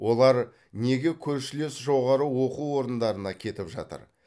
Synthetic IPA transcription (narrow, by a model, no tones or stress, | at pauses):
wʔo̞lˠɑɾ | ne̞ɡʲe̞kʲʰɵɾʃɪle̞sʒo̞ʁɑɾəwo̞quwo̞ɾənd̪ɑɾənɑkʲʰe̞t̪ɪpʒɑ̰t̪ə̰ɾ